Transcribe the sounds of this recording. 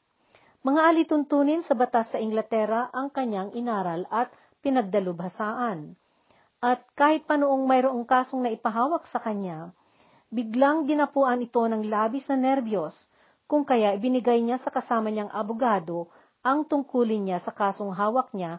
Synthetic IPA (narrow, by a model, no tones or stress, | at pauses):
mɐŋaʔɐlit̪ʊnt̪uːnɪnsɐbɐt̪asːɐʔɪŋɡlɐt̪ɛɾɐʔɐŋkɐɲːaŋʔɪnaːɾɐlɐt̪̚ | pɪnɐɡ̚d̪ɐlʊbhɐsaːʔɐn | ʔɐt̪̚kaːhɪt̪̚pɐnoʔo̞ŋmɐjɾoʔo̞ŋkaːso̞ŋnɐʔɪpɐɦaːwɐk̚sɐkɐɲa | bɪɡlaŋd̪ɪnɐpuːʔɐnɪt̪o̞nɐŋlaːbɪsnɐnɛɾbjo̞s | kʊŋkɐjaʔɪbɪnɪɡajɲasɐkɐsaːmɐɲaŋʔɐbʊɡaːd̪o̞ | ʔɐŋt̪ʊŋkuːlɪnɲasɐkaːso̞ŋɦaːwɐk̚ɲa